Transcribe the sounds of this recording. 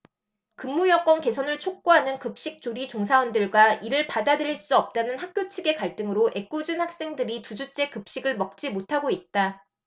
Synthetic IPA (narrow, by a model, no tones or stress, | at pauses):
kɯmːujʌk͈wʌnke̞sʰʌnɯɭt͡ɕʰok̚k͈uɦanɯnkɯp̚ɕ͈ik̚t͡ɕ͈oɾit͡ɕoŋsʰawʌndɯɭɡwaiɾɯɭpadadɯɾiɭs͈uʌp̚t͈anɯnhak̚k͈jot͡ɕʰiɡe̞kaɭt͈ɯŋɯɾoʔe̞k͈ud͡ʑɯnhak̚s͈e̞ŋdɯɾitud͡ʑut͡ɕ͈e̞kɯp̚ɕ͈iɡɯɭmʌk̚t͡ɕ͈imotʰaɡoit̚t͈a